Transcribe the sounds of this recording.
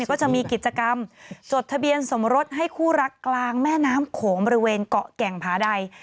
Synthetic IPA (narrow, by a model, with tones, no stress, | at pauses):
kɔː˥˩t͡ɕa˨˩ʔmiː˧ki˨˩t̪̚t͡ɕa˧ka˧mt͡ɕo˨˩t̪ʰːa˧bi˧ənso˩˦mɾo˦˥t̪̚ɦa˥˩jkʰuː˥˩ɾa˦˥kːlaː˧ŋmɛː˥˩naː˦˥mkʰoː˩˦ŋbɔ˧ɾi˦weː˧nkɔ˨˩kɛ˨˩ŋpʰaː˩˦da˧j